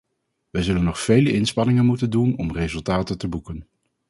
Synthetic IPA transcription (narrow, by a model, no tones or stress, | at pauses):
ʋəjzɵlənːɔχfejləʔɪnspɑnɪŋənmutəndunɔmrezɵlˠtaːtətəbukən